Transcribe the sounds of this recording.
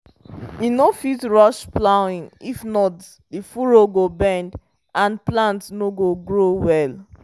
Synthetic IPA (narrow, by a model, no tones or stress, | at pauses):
inofitɹɔʃplaʊĩŋifnɔt | difuɹoɡobɛ̃nd | ãnplãntsnoɡoɡɹowɛl